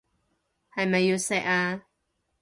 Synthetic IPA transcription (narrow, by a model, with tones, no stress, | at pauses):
ha˧˨jma˨ju˧sɛ˧ʔa˧